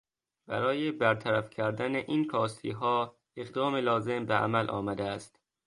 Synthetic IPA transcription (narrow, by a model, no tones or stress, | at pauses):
b̥æɾɒːjebæɾt̪ʰæɾæfcʰæɾd̪æneʔiːnkʰɒːst̪ʰḭːɦɒː | eɣd̪ɒːmelɒːze̞mbeʔæ̰mælʔɒ̰ːmæd̪eæst̪